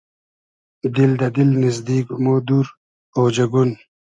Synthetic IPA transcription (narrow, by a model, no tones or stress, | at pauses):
d̪ild̪ɐd̪ilnizd̪iːkmod̪uɾ | oːd͡ʑɐɡun